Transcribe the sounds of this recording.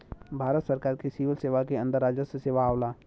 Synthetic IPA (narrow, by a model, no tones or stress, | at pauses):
bʱaːɾət̪səɾkaːɾkesiːʋəlseːʋakeə̃nd̪əɾaːd͡ʒəseseːʋaːʊla